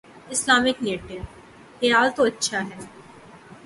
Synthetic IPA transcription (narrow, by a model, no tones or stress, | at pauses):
ɪslaːmɪkneːʈɪʋ | xejaːlt̪oɐtːʃʰaɦɛː